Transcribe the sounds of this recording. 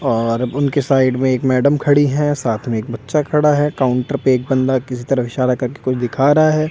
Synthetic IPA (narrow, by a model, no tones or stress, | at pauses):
ɔːɾʊnkesaːɪɖmẽeːkmɛːɖəmkʰɐɽiɦɛ̃saːt̪ʰmẽeːkbɐtːʃakʰɐɽaɦɛkaːʊ̃ɳʈəɾpeeːk̚bɐ̃nd̪akɪsit̪ɐɾəfɪʃaːɾakɐɾkekʊt͡ʃʰd̪ɪkʰaːɾɐɦaɦɛː